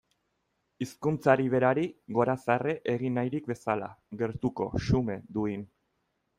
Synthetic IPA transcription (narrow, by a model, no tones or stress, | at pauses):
iskunt͡saɾiβ̞e̞ɾaɾiɣo̞ɾasareʔeɣinajɾik̚be̞sala̰ɣe̞ɾt̪uko̞̰sume̞d̪uin